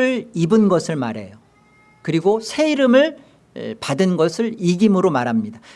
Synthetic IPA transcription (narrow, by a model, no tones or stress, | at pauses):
ɯɭibɯnɡʌsʰɯɭmaɾe̞jo | kɯɾiɡosʰe̞iɾɯmɯɭ | padɯnɡʌsʰɯɭiɡimɯɾomaɾɦamɲida